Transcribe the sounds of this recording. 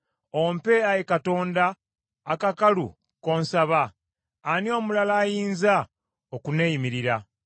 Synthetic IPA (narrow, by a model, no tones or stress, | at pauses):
o̞mpe̞ajekato̞ːndaː | kakalṵ | ko̞ːnsaβaː | nio̞ːmulalaːjiːnza | okunejimiɾiɾa